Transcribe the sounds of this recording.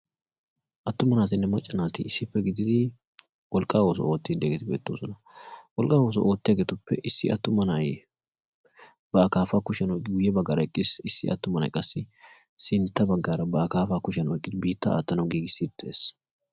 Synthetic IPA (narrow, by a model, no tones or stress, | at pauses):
ʔɐt̪ːʊmɐnaːt̪ɪnːɛmɐt͡ʃʼːɐnaːt̪ɪɪsːɪpːɛɡɪd̪ɪd̪ɪ | wɔlkʼːaːwo̞ːsɔ̰o̞ːt̪ːɪd̪eɡɛt̪ɪbḛːt̪ːo̞ːsɔnɐ | wɔlkʼːaːwo̞ːs̬ɔ̰ʔo̞ːt̪ːɪjaɐɡɛt̪ʊpːɛʔɪsːɪ̰ʔɐ̰t̪ːʊmɐnɐj | b̥ɐːkaːfaːkʊʃɐnɔjkʼːɪɡʊjɛbɐɡɐɾɐɪkʼːɪsɪsːɪ̰ʔɐ̰t̪ːʊmɐnɐ̰jkʼɐsːɪ | sɪnt̪ːɐbɐɡːaːɾɐbɐːkaːfaːkʊʃɐnɔjkʼːɪd̪ɪbiːt̪ːɐa̰ːt̪ːɐnɐwɡiːɡɪsːid̪̚d̪eːs